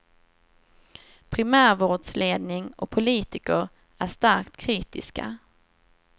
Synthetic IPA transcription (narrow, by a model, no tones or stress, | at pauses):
pʰɾɪmæːɾvoːɖsleːd̪nɪŋɔ̰pʰʊliːt̪ɪkəɾ | æʂt̪aɾkt̪kʰɾiːt̪ɪska̰